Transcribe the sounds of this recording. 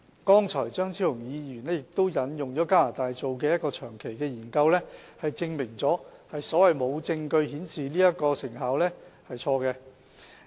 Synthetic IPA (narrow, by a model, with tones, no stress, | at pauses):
kɔː˥ŋt͡sʰɔː˨˩jt͡sœː˥ŋt͡sʰiː˥ʊ˨˩ŋjiː˨˧jyː˨˩nɛ˥jɪ˨k̚t̪o˥wjɐ˨˧˥njʊ˨ŋt͡sɔː˨˥kaː˥laː˨˩t̪aː˨jt͡so˨wk̬ɛː˧jɐ˥t̚kɔː˧t͡ʃʰœː˨˩ŋkʰe˨˩jkɛː˧jiː˨˩nkɐ˧wlɛ˥hɐ˨jt͡sɪ˧ŋmɪ˨˩ŋt͡sɔː˨˥hɐ˨jsɔː˨˥wɐ˨jmo˨˧wt͡sɪ˧ŋkɵ˧ɥhiː˨˥nsiː˨liː˥jɐ˥t̚kɔː˧sɪ˨˩ŋɦaː˨˥wlɛː˥hɐ˨jt͡ʃʰɔː˧kɛː˧